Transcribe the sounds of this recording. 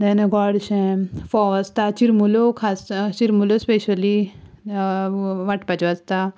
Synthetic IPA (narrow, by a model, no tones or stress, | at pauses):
d̪ɛnɡɔɽɕẽfɔʋɐst̪at͡ʃiɾmulokʰast͡ʃiɾmulospeɕɐli | ʋaʈpat͡ʃɔɐst̪a